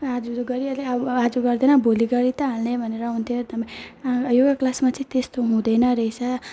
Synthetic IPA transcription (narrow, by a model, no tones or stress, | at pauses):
ad͡zuɡʌɾiʌleʌad͡zuɡʌrd̪enʌbʱoliɡʌɾit̪ʌɦalnebʱʌneɾʌɦunt̪ʰijot̪ʌpãjjoɡʌklasmat͡sʌĩt̪est̪oɦũd̪ʌjnʌɾʌjt͡sʰʌ